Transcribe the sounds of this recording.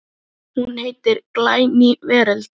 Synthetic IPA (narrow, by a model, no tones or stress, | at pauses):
hunheːjt̪ɪɾklaːjnɪvɛːɾalt̪